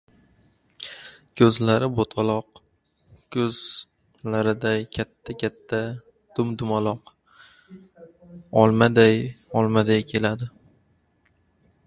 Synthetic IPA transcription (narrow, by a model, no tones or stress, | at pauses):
kʲʰɵzlaɾɪbot̪ʰɒlˠɒq | kʰɵz | laɾɪd̪akʲʰat̪ʰːakʲʰat̪ʰːa | d̪̥ʊmd̪ʊmalɒq | ɒlˠmad̪ajɒlˠmad̪ajkʲʰe̞lad̪ɪ